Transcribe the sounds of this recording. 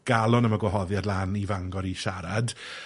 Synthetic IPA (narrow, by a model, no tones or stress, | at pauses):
ɡ̥alˠɔnəmaɡwɔɦɔðjadlˠaːnivaŋɡɔɾiʃaɾad